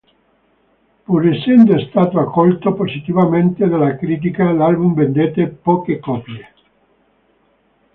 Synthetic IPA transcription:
puɾesːɛnd̪oest̪aːt̪oakːɔlt̪oposit̪ivament̪ed̪alakɾiːt̪̬ikalalbumvend̪eːt̪epɔːkekɔːpje

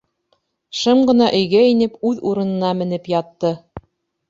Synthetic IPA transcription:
ʃɤmɢɤ̆n̪ɑʔɵ̆jɡæinɘpʉðuɾɤ̆nɤ̆nɑmɘ̆nɘpjɑt̪ːɤ

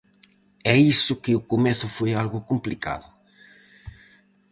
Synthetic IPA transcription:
ɛisʊkɪʊkʊmɛθʊfojalɣʊkumplika̰ðʊ

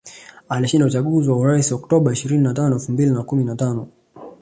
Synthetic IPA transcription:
aliʃindaut͡ʃaɠuziwauɾaisiɔktɔɓaiʃiɾininatanɔɛlfumbilinakuminatanɔ

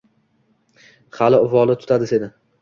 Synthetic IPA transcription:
χalɪʊvɒlˠɪt̪ʰʊ̥t̪ʰad̪ɪse̞d̪ɪ

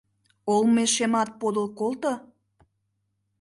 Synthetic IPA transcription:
olmeʃemɑt̪̚pod̪əlkolˠt̪o

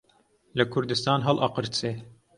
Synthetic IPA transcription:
lɨkʰʊɾd̪ɨst̪ɑːnɦɑlʔɑqɨɾt̪se

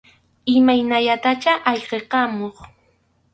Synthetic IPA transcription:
ɪmajnaʎat̪at͡ʃaʔɑʎqeqɑmoχ

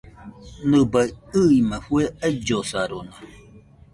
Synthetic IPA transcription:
nɨ̃baiɯimãɸueaid͡ʒosaɾona

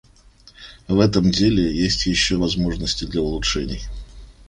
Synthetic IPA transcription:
vɛt̪əmdʲelʲɪjesʲtʲjɪɕːovɐzmo̞ʐnəsʲtʲɪd̪lʲɐʊlˠʊʂɛnʲɪj

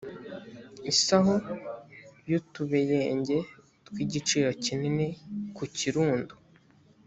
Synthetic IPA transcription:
isaɦo | jutuβejeːɲɟe̞ | tkwiːɟit͡ʃiːɾo̞cininekuciɾuːndu̥

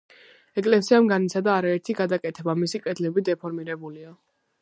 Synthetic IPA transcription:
ɛkʼlɛsiamɡanit̪sʰad̪aːɾaɛɾt̪ʰiɡad̪akʼɛt̪ʰɛbamisikʼɛd̪lɛbid̪ɛpʰɔɾmiɾɛbulia

